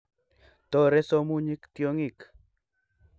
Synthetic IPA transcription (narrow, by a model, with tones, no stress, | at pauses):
t̪o˦ɾe˦so˦mu˦ɲi˦kt̪joŋik